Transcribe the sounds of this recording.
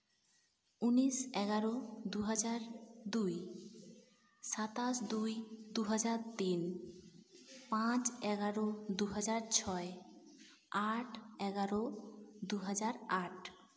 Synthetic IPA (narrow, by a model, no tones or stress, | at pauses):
unisɛɡaɾod̪uɦad͡ʑaɾd̪uj | sat̪asd̪ujd̪uɦad͡ʑaɾt̪in | pãt͡ɕɛɡaɾod̪uɦad͡ʑaɾt͡ɕʰɔe | aʈʰɛɡaɾod̪uɦad͡ʑaɾaʈ̚ʰ